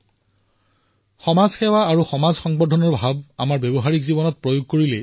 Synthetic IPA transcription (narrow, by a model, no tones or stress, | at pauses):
xɔmazxɛwaːɹuxɔmazxɔŋbɔdʱɔnɔɹbʱab̚amaɹbebɔɦaɹikzibɔnɔt̚pɹojoɡ̚koɹilɛ